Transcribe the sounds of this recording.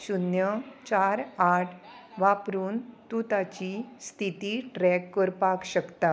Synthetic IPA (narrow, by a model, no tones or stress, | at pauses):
ɕunjət͡ɕaɾaʈʰʋapɾuːnt̪ut̪at͡ɕiːst̪ʰit̪iːʈɾɛkːəɾpakɕəkt̪a